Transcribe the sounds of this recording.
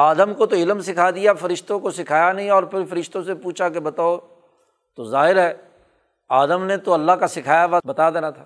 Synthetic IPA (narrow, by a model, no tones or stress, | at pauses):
aːd̪əmkot̪oɪləmsɪkʰad̪ɪjafɐɾɪʃt̪õkosɪkʰaːjanɐɦĩɔːɾpʰɪɾfɐɾɪʃt̪õsepuːt͡ʃʰak̬ebɐt̪aːo | t̪ozaːɦɪɾɦɛː | aːd̪əmnet̪oɐlːaɦkasɪkʰaːjaʋabɐt̪ad̪eːnat̪ʰaː